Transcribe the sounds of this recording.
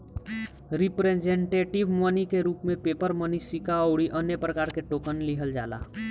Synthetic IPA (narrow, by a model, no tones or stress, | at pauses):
ɾɪpɾed͡ʒẽɳʈeːʈɪʋmənikeɾuːpmẽpeːpəɾmənisɪkaoːɽiʔənjəpɾəkaːɾkeʈoːkənliɦəld͡ʒa̰ːla̰ː